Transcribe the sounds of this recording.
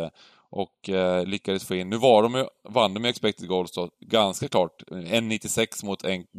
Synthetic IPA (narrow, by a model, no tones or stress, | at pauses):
ə | ʔɔklʏkːad̪əsfoːɪnːʉ̟ːvaɖɔmjɵvand̪ɔmɛɛkspɛk̚t̪ɪɡolsd̪ɔɡanskakʰlɑːʈɛnːɪt̪ːɪsɛksmʊt̪ʰɛn